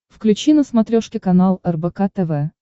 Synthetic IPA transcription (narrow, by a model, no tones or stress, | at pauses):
fklʲʉt͡ɕinəsmɐt̪ɾʲoʂkʲɪkɐnalˠɛrbɛkat̪ɛvɛ